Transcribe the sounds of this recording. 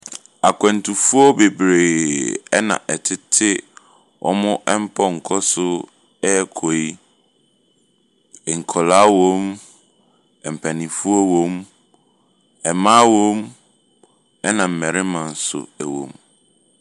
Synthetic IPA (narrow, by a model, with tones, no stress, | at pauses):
a˨kʰɛ̃˨ntʰu˨fu˦ɔ˦be˨bɾeː˨ɛ˦nã̰˨ʔɛ˨tʰɪ˦tʰɪ˦ | wʔɔ̰˦mʊ̃˦ʔɛ˦m̩˦pʰɔ˦ŋ̩˨kʰɔ˦sʊ˦ | ɛ˦˨kʰo˨i˦ | ɛ˨ŋ̩˨kʰɔ˨la˦wõ˦m | ɛ˨m̩˨pʰæ˨nĩ˨fu˦ɔ˦wõ˦m | ɛ˨mãː˦wõ˦m | ɛ˦nã˨m̩˨mɛ̃˨ɾɪ˦mã˨n̩˨˦sʊ̰˨æ˨wõ̰˨m